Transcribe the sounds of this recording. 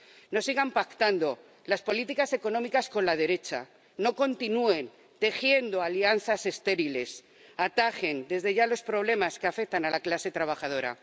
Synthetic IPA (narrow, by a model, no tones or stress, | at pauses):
no̞siɣampakt̪and̪o̞ | laspo̞lit̪ikase̞ko̞nõ̞mikasko̞nlað̞e̞ɾe̞t͡ʃa̰ | no̞ko̞nt̪inue̞n | t̪e̞xje̞nd̪o̞alian̟θase̞st̪e̞ɾile̞s | at̪axe̞nd̪e̞zðe̞ʝalo̞spɾo̞β̞le̞maskeafek̚t̪analaklase̞t̪ɾaβ̞axað̞o̞ɾa̰